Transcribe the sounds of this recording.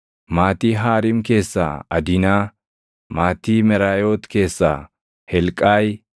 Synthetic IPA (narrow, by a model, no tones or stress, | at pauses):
maːt̪iːɦaːɾɪmke̞ːsːa̰ːɐd̪ɪnaː | maːt̪iːmɛɾaːjoːt̪ke̞ːsːa̰ː | hɛlkʼaːj